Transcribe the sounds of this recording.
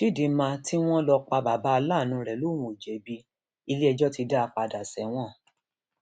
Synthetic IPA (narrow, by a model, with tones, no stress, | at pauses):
ʃi˦˨di˨˦mã˧ti˦w̃ɔ̃˦lɔ˧k͡pa˧ba˨ba˦a˧laː˦˨nũ˨˦˧ɾɛ˨lo˦˨w̃ũ˨d͡ʒɛ˨bi˧ | i˧le˦ɛ˧d͡ʒɔ˦ti˧da˦a˧k͡pa˧da˨sɛ˨˦w̃ɔ̃˦˨